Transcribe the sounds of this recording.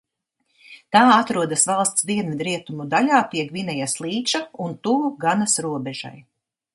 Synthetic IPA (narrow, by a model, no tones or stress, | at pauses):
t̪aːat̪ɾuɔd̪asvalˠst̪sd̪iɛnmid̪ɾiɛt̪umud̪aʎaːt̪iɛkvinɛjaslˠiːt͡ʃaunt̪uɡanasɾuɔbɛʒ̥a̰j